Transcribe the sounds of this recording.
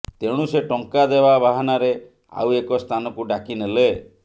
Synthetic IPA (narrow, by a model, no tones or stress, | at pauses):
t̪eɽ̃useʈɔŋkad̪ebabaɦanaɾe | a̰wekɔst̪ʰanɔkuɖakinele